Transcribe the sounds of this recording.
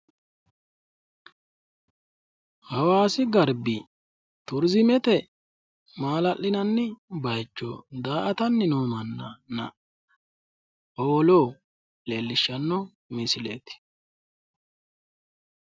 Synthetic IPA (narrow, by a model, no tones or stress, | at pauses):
hɐwaːsɪɡɐɾbɪ | t̪ʊɾzɪmɛt̪ɛ | maːlɐʔːɪnɐnːɪbɐjt͡ʃːo̰ːd̪aːʔɐt̪ɐnːɪnoːmɐnːɐnɐ̰ | oːloː | le̞ːlːɪʃːɐnːɔ | mɪsɪlḛːt̪ɪ̥